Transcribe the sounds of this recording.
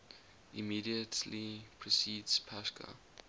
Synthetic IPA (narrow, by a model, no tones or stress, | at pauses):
imiːdiətʰlipʰɹ̥ɔsiːdspʰaskʰə̰